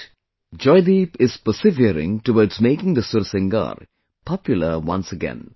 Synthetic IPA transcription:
d͡ʒɔɪd̪ipɪz̥pəsɪviɾɪ̰̃ŋʈuʋəːɖzmeːkɪ̃ŋd̪əsʊɾsɪ̃ŋɡa̰ɾ | pʰɑpjʊlˠəwʌ̰̃nsəɡɛ̰̃n

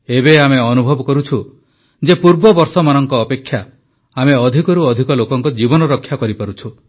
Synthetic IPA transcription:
ebeameɔnubʱɔbɔkɔɾut͡ʃʰu | d͡ʒepuɾbɔbɔɾsɔmanɔŋkɔːpekʰːja | ameɔd̪ʱikɔɾuɔd̪ʱikɔlokɔŋkɔd͡ʒibɔnɔɾɔkʰːjakɔɾipaɾut͡ʃʰu

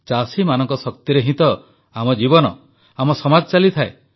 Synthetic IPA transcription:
t͡ʃasimanɔŋkɔsɔk̚t̪iɾeɦĩt̪ɔ | amɔd͡ʒibɔnɔ̰ | amɔsɔmad͡ʒɔt͡ʃalit̪ʰae

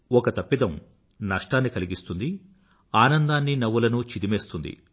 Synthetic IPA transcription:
ɔkɐt̪ɐpːid̪ɐm | nɐʂʈaːnːikɐliɡist̪und̪i | aːnɐnd̪aːnːinɐʋulɐnut͡ʃid̪imeːst̪und̪ḭ

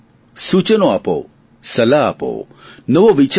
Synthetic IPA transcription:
sut͡ʃənoapo̰ | sɐlaa̰po̰ | nəʋoʋit͡ʃ

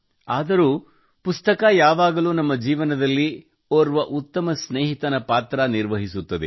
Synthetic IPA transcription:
aːd̪ɐɾuː | pust̪ɐkɐjaːʋaːɡɐluːnɐmːɐd͡ʒiːʋɐnɐd̪ɐlːi | oːɾʋɐʔut̪ːɐmɐsneːɦit̪ɐnɐpaːt̪ɾɐniɾʋɐɦisut̪ːɐd̪ḛ

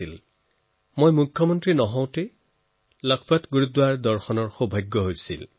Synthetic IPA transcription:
il | mojmukʰːjɔmɔntɹinɔɦɔ̃w̃te | lɔkʰpatɡuɹudwaɹdɔɹxɔnɔɹxubʱajɡːɔɦojsḭl

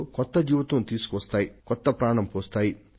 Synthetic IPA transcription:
kɔt̪ːɐd͡ʒiːʋɐt̪ʋɐnt̪iːsu̥kuʋɐst̪aːjikɔt̪ːɐpɾaːɳɐmpoːst̪aːji

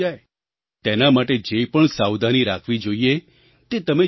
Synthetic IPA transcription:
ae | t̪enamaʈed͡ʒepəɳsawd̪aniɾakʰʋid͡ʒoie | t̪et̪əme

